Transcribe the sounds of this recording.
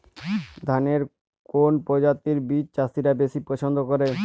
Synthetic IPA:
d̪ʱaneɾ | konpɔd͡ʑat̪ːiɾbit͡ɕt͡ɕast̪iɾabeʃipɾɔt͡ɕʰond̪ʱokoɾe

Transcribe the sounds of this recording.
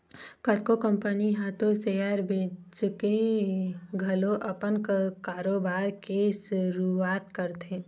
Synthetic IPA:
kət̪kokə̃mpəniɦaːt̪osejaɾbʱeːd͡ʒke | ɡʱɐlõʔɐpənkkaːɾoːbaːɾkeʃʊɾuaːt̪kəɾt̪ʰẽː

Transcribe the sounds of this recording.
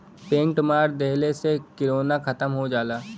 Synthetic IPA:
pẽːŋʈmaːɾd̪ɛɦlesekɪɾoːnakʰɐt̪əmɦod͡ʒaːlaː

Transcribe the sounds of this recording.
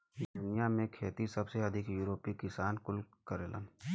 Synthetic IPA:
d̪ʊnijamẽkʰeːt̪isɐbseɐd̪ʱɪkjuːɾoːpikɪsaːnkʊlkəɾeːlə̰n

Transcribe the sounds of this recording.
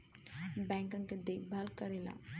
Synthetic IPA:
bɛ̃ŋkãŋked̪ekbʱalkəɾela̰

